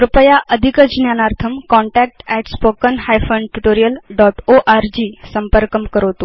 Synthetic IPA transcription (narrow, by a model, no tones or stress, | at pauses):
pɾupəjaʔəd̪ʱikəd͡ʑnjanaɾt̪ʰəmkɔɳʈæk̚ʈɛʈspokənhajfəɳɖʈuʈoɾijəlɖɔʈoʔaɾd͡ʑiːsəmpəɾkəmkəɾot̪o